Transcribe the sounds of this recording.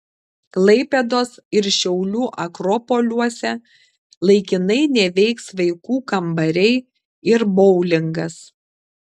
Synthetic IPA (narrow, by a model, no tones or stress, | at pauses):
klˠɐɪpʲɛd̪oːsɪɾʃʲɛʊlʲuːʔɐkɾɔpoːlʲuɔsʲɛ | lˠɐɪkʲɪnɐɪnʲɛʋʲɛɪksʋɐɪkuːkɐmbɐɾʲɛɪ | ɪɾbɔʊlʲɪŋɡɐs